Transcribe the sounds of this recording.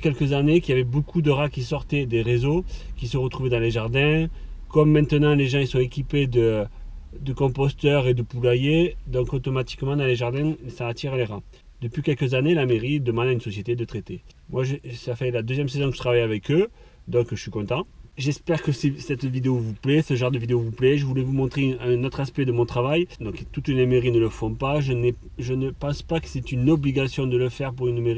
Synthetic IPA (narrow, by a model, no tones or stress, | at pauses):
kʲɛlkəzanekʲiljavɛbokʰud̪əʁakʲisɔʁt̪ɛd̪eʁezokʲisəʁət̪χuvɛd̪ɑ̃leʒaʁd̪ɛ̃kɔmːɛ̃t̪ənɑ̃leʒɑ̃isɔ̃ekʲiped̪ə | d̪əkɔ̃pɔst̪œʁed̪əpulajed̪ɔ̃kot̪ɔmat̪i̥kmɑ̃d̪ɑ̃leʒaʁd̪ɛ̃saːt̪iʁleʁa | d̪əpɥikʲɛlkəzanelameʁid̪əmɑ̃d̪aynsɔsjet̪ed̪ət̪χet̪e | mwaʒəsafɛlad̪øzjɛms̬ezɔ̃kəʒə̥t̪χavajavɛkø | d̪ɔ̃kəʒəsɥikɔ̃t̪ɑ̃ʒɛspɛʁkəsesɛt̪vid̪eovuplɛsəʒɑ̃ʁd̪əvid̪eovuplɛʒəvulɛvumɔ̃t̪χeɛ̃nɔt̪χaspɛd̪əmɔ̃t̪χavajd̪ɔ̃kt̪ut̪lelemeʁinələfɔ̃paʒənɛ | ʒənəpɑ̃spakə̥sɛt̪ynɔbliɡasjɔ̃d̪ələfɛʁpuʁynmeʁi